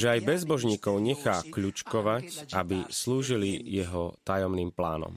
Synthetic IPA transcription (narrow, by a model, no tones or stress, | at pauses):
ʒɛajbɛzbɔʒɲiːkɔʊɲɛxaːkʎut͡ʃkɔʋacʔa̰bisluːʒilijɛɦɔt̪ajɔmniːmplaːnɔ̰m